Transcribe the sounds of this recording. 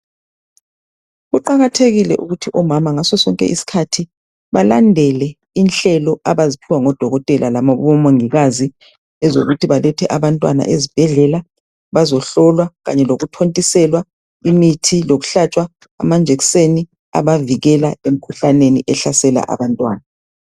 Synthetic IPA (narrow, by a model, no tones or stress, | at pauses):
ɣuǃaɣatʰeɣilɛ̰ʔuɣutʰiʔɔmamaŋasɔsɔŋkʼɛ̰ʔisi̥kʰatʰi | βalandʱɛlɛ | inɬɛlɔaβazipʰiwaŋɔd̥ʱɔɣɔtʼɛlʔalamaβɔɔmoŋiɣazi | ɛzo̰ɣutʰiβalɛtʰɛʔaβantʼwana̰ʔezib̥ʱɛɮɛla | βazɔɬɔlwaɣaɲɛloɣutʰontʼisɛlwa | imitʰiloɣu̥ɬat͡ʃʼwa | a̰mand͡ʒʱekseni | a̰βaviɣɛlaem̩kʰuɬaneniʔɛɬasɛla̰ʔa̰βantʼwaːna